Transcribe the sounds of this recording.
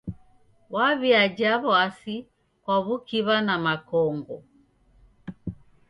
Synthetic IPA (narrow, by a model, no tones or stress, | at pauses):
waβiad͡ʒaβɔasi | kwaβukiβanamakɔŋɡɔ